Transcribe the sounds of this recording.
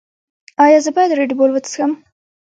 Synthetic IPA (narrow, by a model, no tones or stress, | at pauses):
ɑjɑzəbɑjd̪əɾeɖbolwət̪sxəm